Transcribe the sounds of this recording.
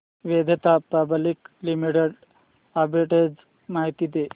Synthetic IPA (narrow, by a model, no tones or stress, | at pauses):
ʋed̪ʱet̪apabʱəliklimiʈeɽ | abʱeʈed͡z | maɦit̪id̪e